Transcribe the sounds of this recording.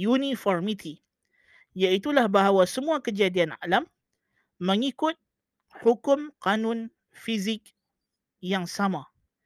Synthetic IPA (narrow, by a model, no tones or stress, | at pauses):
junifɔrmit̪ʰi | jaʔit̪ulahbaɦawasəmuakəd͡ʒadiana̰lamː | əŋikʊt̪̚ | hukʊmqanʊn | fizɪk̚ | jaŋsama